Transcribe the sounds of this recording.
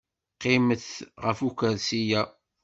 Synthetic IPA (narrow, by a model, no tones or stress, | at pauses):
qːɪməθʁəfukəɾsijæ